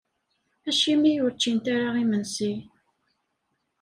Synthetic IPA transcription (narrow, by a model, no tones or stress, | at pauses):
æʃimijʊɾt͡ʃːint̪aɾaʁimənsi